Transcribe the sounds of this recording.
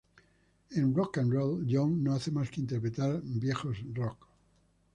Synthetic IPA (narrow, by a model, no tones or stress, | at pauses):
ẽnrokãnrolʎoŋnoaθemaskeint̪eɾpɾet̪aɾbje̞xosrok